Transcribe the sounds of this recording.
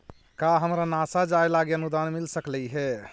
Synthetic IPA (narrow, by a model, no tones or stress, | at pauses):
kaɦəmɾanasad͡ʒaelaɡiənud̪anmilsəkləiɦɛ